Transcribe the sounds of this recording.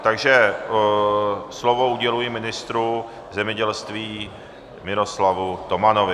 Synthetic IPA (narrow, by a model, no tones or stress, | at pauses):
t̪aɡʒɛ | slovo̞uɟɛlujɪmɪnɪst̪ɾu | zɛmɲɛɟɛlst̪viː | mɪɾo̞slavut̪o̞manovɪ